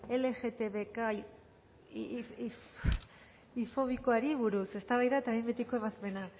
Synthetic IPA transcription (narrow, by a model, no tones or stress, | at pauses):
e̞le̞ɣe̞t̪e̞βeka | f | ifo̞βikoaɾiβuɾuse̞st̪aβajðaet̪aβimbet̪ikoe̞βaspe̞na